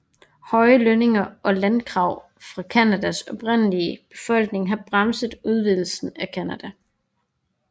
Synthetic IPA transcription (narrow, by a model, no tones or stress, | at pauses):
hɒ̽ɪəløne̝ŋɐʔɒ̽lænkʰʁɑ̈ʊ̰ | fʁɑ̈kʰænæd̥æsɒ̽b̥ʁen̰əliəb̥e̝̥fɒ̽l̰ɡ̥ne̝ŋɦɑ̈b̥ʁɑmsəðˠuð̞ˠʋiðˠl̩sn̩ækʰænæd̥æ